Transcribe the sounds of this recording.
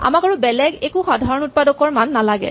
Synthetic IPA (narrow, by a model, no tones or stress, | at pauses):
a̰makaɹubɛlɛɡekuxɔdʱaɹɔnut̚padɔkɔɹmanːalaɡɛ̰